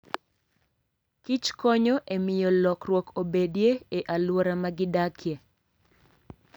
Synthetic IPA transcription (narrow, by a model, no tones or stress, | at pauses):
kit͡ʃkɔɲɔʔemɪjɔlɔkɾwɔkobedjeeʔalwoɾamaɡɪdakʰjɛ